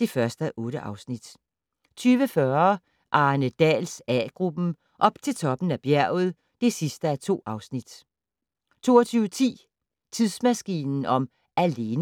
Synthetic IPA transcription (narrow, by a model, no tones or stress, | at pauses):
d̥e̝fɶɐsd̥əʔɔ̽ːɾəʔɑ̈ʊsnid̥ | t͡sʰyːʋəfɶɐ | ʔɑ̈ːnəd̥ɛ̰ːlsɛ̰ːɡ̥ʁub̥m̩ | ʔɒ̽b̥t͡sʰe̝lt͡sʰɒ̽b̥n̩æb̥jæɐ̰ʊð̞̩ˠ | d̥e̝sisd̥əæt͡sʰo̝̰ːɑ̈ʊsnid̥ | t͡sʰo̝̰ːɒt͡sʰyːʋət͡sʰḭː | t͡sʰiðˠsmæsɡ̥ḭːnn̩ɒ̽m | ʔæle̝n